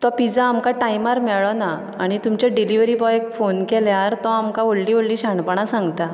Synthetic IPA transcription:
t̪ɔpid͡zãːmkaʈaimaɾmɛɭɔna | aɽ̃it̪umt͡ɕaɖiliʋɾiːbɔekfonkɛljaɾt̪ɔamkaʋoɭliːʋoɽliːɕaɳpəɳ̃ãsãŋɡt̪a

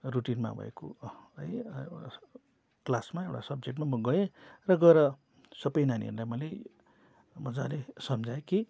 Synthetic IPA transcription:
ruʈinma̰bʱʌ̰ḛko̰ʌj | klasmaewʈasʌb̚d͡zekʈ̬mamʌɡʌerʌɡʌeɾʌ | sʌbʌjnanḭɦḛɾd̪amʌle | mʌd͡zalesʌmd͡zaeki

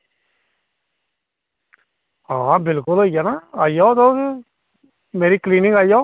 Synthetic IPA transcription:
ãːbɪlkʊlɦoːijaːnaːaːijɔːt̪oː | meːɾiːkliːnɪ̃ŋɡaːijoː

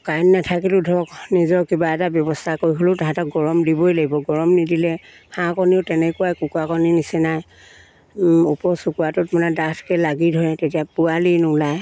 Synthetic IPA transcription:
kajnːatʰakilʊdʱɔknizɔɹkibaɛtabjɔbɔstʰakoɹiɦolʊtaɦɛtɔkɡɔɹɔmdibɔjlaɡibɔɡɔɹɔmnidilɛ | hʰãkɔniʊtɛnɛkʊwajkukwakɔninisɛnaj | upɔɹsukuatʊtmɔnɛdatʰkɛlaɡidʱɔɹɛtetijapualinʊlaj

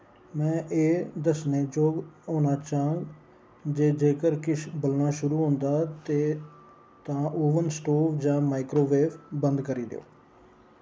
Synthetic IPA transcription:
mɛ̃ːʔeːd̪əsnẽːd͡ʒoːɡoːnãːt͡ʃaːə̃ŋɡ | d͡ʒeːd͡ʒeːkəɾkɪʃbəlnaːʃʊɾuːɦõːnd̪aːt̪eː | t̪ãːʔoːʋənsʈoːpʰd͡ʒãːmaːɪkɾoːʋeːpʰbənd̪kəɾiːd̪ḛo̰ː

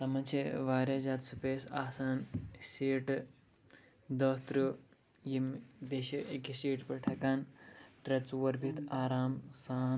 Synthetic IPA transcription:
t̪ɐmɐnt͡ʃʰeʋaːɾjad͡ʒaːt̪supeːsaːsaːnsiːʈ | d̪ɐst̪ɾu | jimbeʃiʔekisiːʈpɐʈʰɐkaːnt̪ɾɐt͡suʋɐɾbʱit̪ʰaːɾaːmsaːn

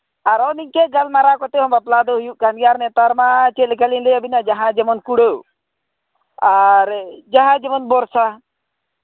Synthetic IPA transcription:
aɾɔniɲkɛɡalmaɾakɔt̪ɛɦɔmbaplad̪ɔɦujuʔkanjaɾnɛt̪aɾmat͡ʃɛlɛkalinlɛəbinad͡ʒaɦãd͡ʒɛmɔnkuɽə | aɾd͡ʒaɦãd͡ʒɛmɔnbɔɾsa

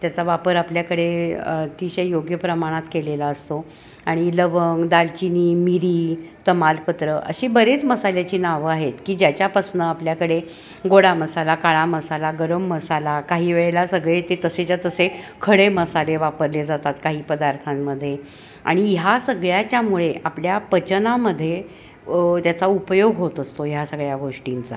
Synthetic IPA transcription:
t̪jat͡saʋapəɾapljakəɽet̪iɕejoɡjəpɾəmaɽ̃at̪kelelaəst̪o | aɽ̃iləʋəŋɡd̪alt͡ɕiniːmiɾiːt̪əmalpət̪ɾəʔə̰ɕebəɾet͡sməsaljat͡ɕiːnaʋaɦet̪kiːd͡ʑjat͡ɕjapəsnəapljakəɽe | ɡoɽaməsalakaɭaməsalaɡəɾəmːəsalakaɦiːʋeɭelasəɡɭet̪et̪əset͡ɕjat̪əsekʰəɽeməsaleʋapəɾled͡zat̪at̪kaɦiːpəd̪aɾt̪ʰamːəd̪ʱːje | a̰ɽ̃ijɦasəɡɭjat͡ɕjamuɭeʔapljapət͡ɕənaməd̪ʱːje | t̪jat͡saupəjoɡɦot̪əst̪ojasəɡɭjaɡoʂʈint͡sa̰

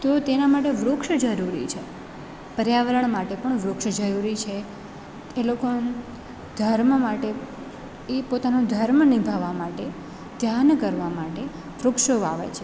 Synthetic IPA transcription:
t̪ot̪enamaʈeʋɾokʃd͡ʒəɾuɾḭt͡ʃʰe | pəɾjaʋəɾəɳmaʈepəɳʋɾokʃd͡ʒəɾuɾit͡ʃʰe | eloko | d̪ʱəɾmmaʈe | epot̪anod̪ʱəɾmənibʱaʋamaʈe | d̪ʱjankəɾʋamaʈe | ʋɾʊkʃoʋa̰ʋḛt͡ʃʰe

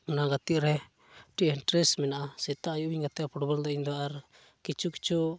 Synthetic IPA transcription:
mnaɡat̪iʔɾɛ | ʈiɛnʈɾɛsmɛnaʔasɛt̪aʔːjuʔwiɲɡat̪iʔapɔɽɔbald̪ɔiɲd̪ɔaʔaɾ | kit͡ʃuki̥t͡ʃu

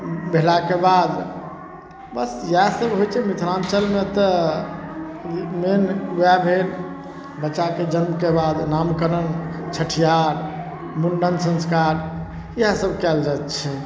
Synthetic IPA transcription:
belakebad̪ | bəsjasəbɦojt͡ʃʰɛmit̪ʰɾant͡ʃəlmet̪ə | menabʱel | bətːt͡ʃːaked͡ʒənmkebad̪namkəɾənt͡ʃʰəʈʰijaɾ | munɖənsə̃nskaɾ | iasəbʱkɛld͡ʒat̪t͡ʃʰɛ

